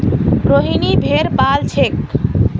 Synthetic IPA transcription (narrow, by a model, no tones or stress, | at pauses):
ɾoɦinibʱeɾpalt͡ʃʰek